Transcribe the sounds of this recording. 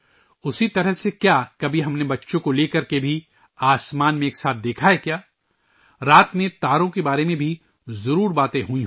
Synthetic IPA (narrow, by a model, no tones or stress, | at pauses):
ʊsit̪ɐɾəɦsekjaːkɐbʱiɦɐmnebɐtːʃõkoleːkɐɾkebʱi | aːsmaːnmẽːksaːt̪̚ʰd̪eːkʰaɦekjaː | ɾaːt̪mẽt̪aːɾõkebaːɾemẽbʱi | zɐɾuːɾbaːt̪ẽɦuĩ